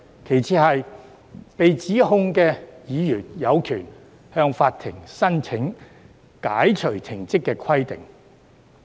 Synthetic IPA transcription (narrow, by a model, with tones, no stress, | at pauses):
kʰe˨˩jt͡sʰiː˨˧hɐ˨j | pe˨jt͡siː˨˥ɦʊ˧ŋkɛː˧jiː˨˧jyː˨˩njɐ˨˧wkʰyː˨˩n | hœː˧ŋfaː˧t̚t̪ʰɪ˨˩ŋsɐ˥nt͡sʰɪ˨˥ŋ | kaː˨˥jt͡ʃʰɵ˨˩ɥt͡sʰɪ˨˩ŋt͡sɪ˥kːɛː˧kʰɐ˥jt̪ɪ̰˨ŋ